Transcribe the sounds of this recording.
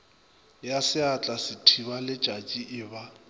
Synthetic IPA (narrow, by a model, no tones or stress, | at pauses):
jasɪat͡ɬʼasɪtʰiβalɪt͡ʃʼat͡ʃʼiʔɪːba